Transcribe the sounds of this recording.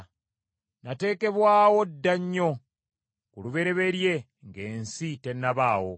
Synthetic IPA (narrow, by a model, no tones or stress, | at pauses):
nate̞ːke̞βwaːwo̞dːaɲːo̞ | kuluβe̞ɾe̞βe̞ɾje̞ | ŋɡe̞ːnsite̞nːaβaːwo̞̰